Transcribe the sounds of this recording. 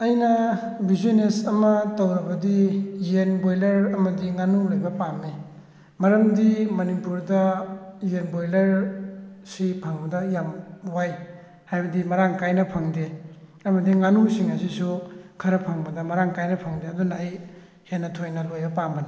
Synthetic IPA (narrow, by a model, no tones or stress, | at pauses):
ɐjnɐ | bizinesɐmɐtɐwɾɐbɐdijenbojlɐɾɐmɐdiŋanulojbɐpamːe | mɐɾɐmdimɐnipuɾdɐjenbojlɐɾ | sipʰaŋbɐdɐjamwaj | hajbɐdimɐɾaŋkajnɐpʰaŋdeɐmɐdiŋanusiŋɐsisukʰɐɾɐpʰaŋbɐdɐmɐɾaŋkajnɐpʰaŋdeɐdunɐːj | henːɐtʰojnɐlojbɐpambɐna